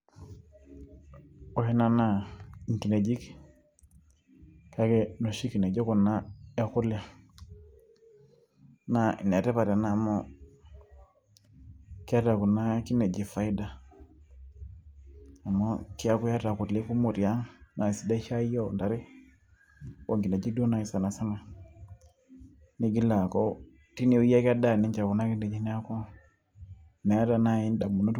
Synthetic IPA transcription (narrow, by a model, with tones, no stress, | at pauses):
o˦hɛ˦na˦na˨i˨ŋki˨ne˨d͡ʒi˦k | ka˨˦ke˦no˨ʃi˦ki˨ne˨d͡ʒɔ˦ku˨na˦e˦xʊ˦la˦ | na˨ʔi˨ne˨tɛ˦pa˨ɾa˨na˨mɔ˦ | ki˦a˦ta˨ku˨na˦ki˦ne˨d͡ʒi˨fa˨i˦da˨ | a˨mɔ˦ki˦a˦ku˦ja˦ta˨ku˨tle˦ku˦mo˨ti˨a˦na˨si˨da˦ʃa˦jɔ˦nda˨ɾi˦ | wo˨ŋɡi˨na˨d͡ʒi˦do˦na˨i˨˦sa˨na˨sa˦na˨ | ni˦ɡi˦la˨kɔ˦ | ti˦ni˨u˦ja˦ka˦da˦˨nɛ˦ɲt͡ʃa˨ku˨na˦ki˦ndɛ˨d͡ʒi˦n˦a˦kɔ˦ | na˨ja˦ta˨na˦i˦nda˨mu˨no˦t